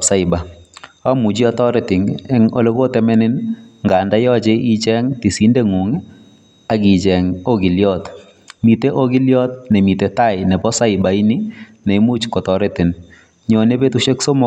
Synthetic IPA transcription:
psa˦ɪ˨ba˨a˦mu˨d͡ʒi˦ɔ˦tɔ˦ɾɛ˦tɪ˨ŋɛ˦ŋo̰˦le˦ko˦tɛ˨mɛ˦nɪ˦nŋɡa˨nda˦jɔ˦t͡ʃe˦ʔi˦t͡ʃɛ˦ŋti˨si˨˦nde˦ŋu˨ŋ | a˨kɪ˨t͡ʃɛ˨ŋo˦ɡi˨ljɔt | mi˨te˦ʔo˦ɡɪ˦ljɔ˦t̚nɛ˨mi˨te˨ta˦˨ɪnɛ˨pɔ˦sa˦ɪba˨i˦ni˦nɛ˨i˦mu˦t͡ʃkɔ˨tɔ˨ɾɛ˦tɪ˨n | ɲɔ˨ne˦pe˦tu˦ʃɛ˦kso˦mɔ˦

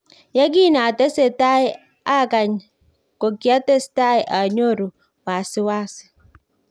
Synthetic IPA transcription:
ja˦ɡi˦na˨tɛ˦se˨ta˦i˦ | a˦˨ka˨ɲ | ko˨ki˨˦a˦te˦sta˦i˨ʔa˨ɲo˦ɾu˨ | wa˨sɪ˦waː˦si̥˨

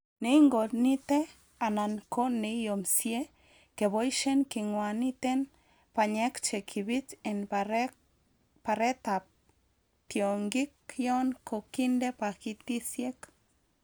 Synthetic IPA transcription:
ne˨˦ŋɡo˨t̪ni˦t̪e˦ | a˨na˨nko˦ne˨jo˨msje˦ | ke˨bo˦jʃe˦nki˨ŋwa˨ni˦t̪e˦n | pa˨ɲe˦kt͡ʃe˨kʰi˨bi˦te˨n | pa˨ɾe˦t̪a˨p̚ | t̪jo˨ŋɡi˦kjo˦nkʰo˨ki˦nde˦pa˨ki˧t̪i˦sje˦k

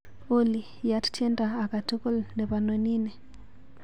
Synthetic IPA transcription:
o˦li˨ | ja˦tt͡ʃe˦ndaː˨ka˨to˦ko˦lnde˨βa˨no˨ni˦ne˨

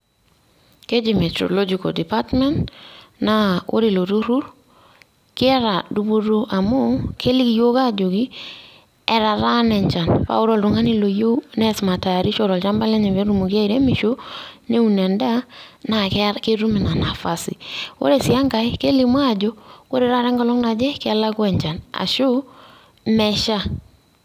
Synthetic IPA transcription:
ke˦d͡ʒi˨mɛ˨tɾo̰˨lɔ˦d͡ʒi˨kɔ̰˨di˨pa˦tmɛ˦ntna˦o̰˦ɾe˨lo˨ɾo˦ɾu˦ɾ | kɪ˦ɛ˦ɾa˨du˦bo˦ɾo˦ʔa˨mo˦kʰe˦li˦kjo˦ka˦d͡ʒo˨ɡi˦ | ɛ˦ɾa˨ɾa˦nɛ˨ɲt͡ʃa˨npa̰˦ʊ˦ɾo˦˨lɾʊ˨ŋa˦ni˦lo˨jo˦nɛ˦sma˨ta˨a˨ɾi˦ʃɔ˨ɾɔ˨lt͡ʃa˦mba˦lɛ˦ɲa˨be˦ɾu˦˨mo˨kja˦i˨ɾe˦mi˨ʃo˦ne˦u˨nɛ˨nda˦na˨kke˦ɾu˦mi˨na˨na˨fa˨sḭ˨wo̰˦ɾe˨sɪ˨a˦ŋɡa˨ɪ˦ke˦li˨mwa˦˨d͡ʒo˦ko˦ɾe˨ɾa˦ɾɛ˦ŋɡɔ˨lɔ˦ŋna˨d͡ʒɛ˦kɛ˦la˦kwɛ˨ɲd͡ʒa˨na̰˨ʃʊ˦ | mɛ˦ʃa˦

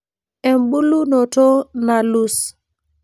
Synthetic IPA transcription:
ɛ˨mbu˦lu˦nɔ˨to˦na˨lu˦s

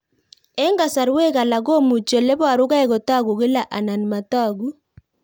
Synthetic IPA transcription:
ɛ˦ŋɡa˨sa˨ɾwe˦ka˨la˨ɡo˦mu˨t͡ʃo˨le˦bwa˨ɾʊ˦ka˦ɛ˦ɡɔ˨ta˦ɡu˨ɡɪ˦la˨ʔa˨na˨nma˨ta˦˨ɡu˦

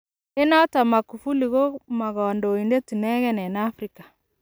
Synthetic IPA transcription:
e˦nɔ˦ta˨ma˨ku˨fu˦li˨ɣo˦ma˨ɣɔ˨ndo˨i˨nde˦ti˨nɛ˦ɣɛ˦nɛ˨na˦fɾi˦kḁ˨

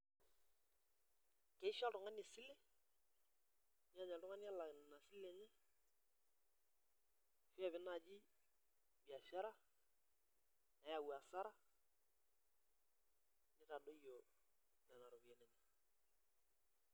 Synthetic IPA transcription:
kɛ˨˦ɪ˦ʃa˦tʊ˨ŋa˦nɪ˨sɪ˦lɪ˦ | nɪ˦a˦˨ɲɛ˨tʊ˦ŋa˦ni˦a˦la˨na˨sɪ˦le˨ɲɪ˦ | fa˦˨βɪ˦na˨d͡ʒɪ˦ | bi˨a˨ʃa˦ɾa˦ | na˨ja˨wa˨sa˦ɾa˦ | nɪ˦ta˨do˦jo˨ | lɛ˨na˨ɾo˨bi˨ɛ˨nɛ˨ɲɛ˨

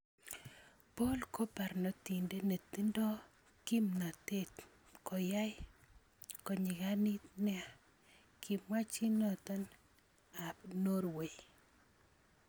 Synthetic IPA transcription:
po˦lko˦pa˨ɾnɔ˦t̪i˨nde˦ne˨t̪i˦ndɔ˦ | ki˦mna˨te˦t | kɔ˨ja˦j | kɔ˨ɲɪ˨ɡa˦ni˦t̪nɛ˦a˨ | kʰi˨mwa˦t͡ʃi˦nɔ˨t̪ɔ˦n | a˨pno˦ɾwe˨j

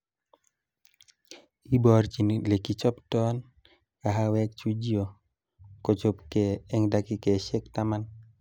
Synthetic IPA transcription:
i˦bɔɾt͡ʃi˨nle˨ki˨t͡ʃɔ˦ptɔn | ka˨ɦa˦wɛ˦k̚t͡ʃu˦d͡ʒio˨ | ko˨t͡ʃo˦pkɛɛ˦ŋdaki˦kɛ˨ʃɛ˦ktama˦n

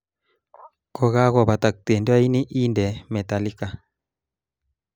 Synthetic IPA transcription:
kɔ˦ɣa˦ɣɔ˨βa˨t̪a˨k̚t̪e˨nda˦i˦ni˦ʔi˦ndɛ˨mɛ˨t̪a˨li˦ka˨

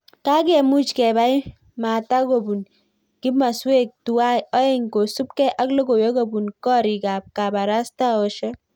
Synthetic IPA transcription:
ka˦k̬ɛ˨mu˦t͡ʃkɛ˨ba˦ɪ˦ | ma˨ta˦ko˨bu˨n | kɪ˦ma˨swe˦k̚tu˨wa˦jɔ˦e˦ŋko˨su˦pkɛ˦ʔa˦klo˦ko˨je˦ko˦˨bu˨nkɔ˦ɾi˨ka˨p̚ka˨ba˨ɾa˦sta˦ɔ˨ʃɔ˦

